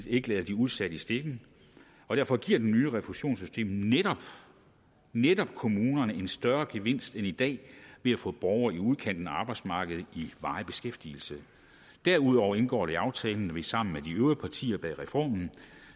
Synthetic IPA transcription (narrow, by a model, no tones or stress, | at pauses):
ðe̝ɡəlɛːð̞̩ˠd̥iuð̞̩ˠsæɾ̥əisd̥e̝ɡ̥ŋ̩ | ɒ̽d̥æɐfɒ̽ɡ̥iɐ̰d̥enːyːəʁɛfuɕo̝̰ːnsy̥sd̥e̝̰ːmneɾ̥ɒ̽b̥ | neɾ̥ɒ̽b̥kʰo̝muːnɐnəe̝nsd̥ɶɐɡ̥e̝ʋe̝n̰sd̥enid̥ɛ̰ːʋe̝æfɔ̰̽ːb̥ɒʊɐiuð̞ˠkʰen̰d̥n̩ɑ̈ːb̥ɑ̈ɪ̥smɑ̈ːɡ̥əð̞̩ˠiʋɑ̈ːɪb̥e̝sɡ̥efd̥ḭl̩sə | d̥æɐuð̞ˠɒʊɐe̝nɡ̥ɒ̰ːɾ̥e̝ɑ̈ʊt͡sʰɛːln̩ʋe̝sɑ̈m̰n̩med̥iøʊɐpʰɑ̈t͡sʰḭːɐb̥ɛʁɛfɒ̰ːmn̩